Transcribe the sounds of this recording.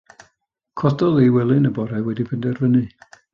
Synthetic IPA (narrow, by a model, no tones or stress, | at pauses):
kʰɔdɔðewɛlˠɨnəbɔɾajwɛdibʰɪndɛrvənɨ